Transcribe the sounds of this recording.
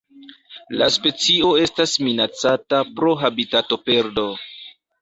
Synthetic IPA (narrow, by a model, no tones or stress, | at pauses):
la̰spe̞t͡sio̞e̞stasminat͡satapɾo̞ɦabitato̞pe̞ɾdo̞